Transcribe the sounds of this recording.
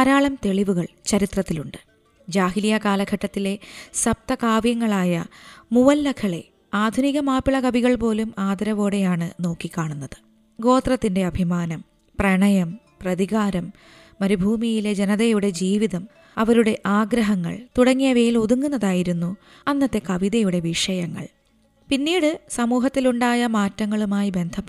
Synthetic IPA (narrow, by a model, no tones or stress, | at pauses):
ɐɾaːɭɐmt̪e̞ɭiʋuɣɐɭt͡ɕɐɾit̪rɐt̪ːiluɳɖɨ̥ | d͡ʑaːɦilijɐkaːlɐɡʱɐʈːɐt̪ːile̞sɐp̚t̪ɐkaːʋjɐŋːɐɭaːjɐmuʋɐlːɐkʰɐɭe̞̰ | aːd̪ʱuniɣɐmaːpiɭɐkɐbʱiɣɐɭpo̞ːlumaːd̪ɐɾɐʋo̞ːɽe̞jaːɳɨno̞ːkːikːaːɳunːɐðɨ̥ | ɡo̞ːt̪rɐt̪ːinde̞ɐbʱimaːnɐm | prɐɳɐjɐm | prɐðiɣaːɾɐmː | ɐɾubʱuːmijile̞d͡ʑenɐðɐjuɽe̞d͡ʑiːʋiðɐm | ɐʋɐɾuɽe̞ʔaːɡɾɐɦɐŋːɐ̰ɭt̪uɽɐŋːijɐʋejiluðuŋːunːɐðaːjiɾunːu | ɐnːɐt̪ːe̞kɐʋiðɐjuɽe̞ʋiʂɐjɐŋːɐ̰ɭ | pinːiːɽɨsɐmuːɦɐt̪ːiluɳɖaːjɐmaːtːɐŋːɐɭumaːjibe̞nd̪ʱɐpː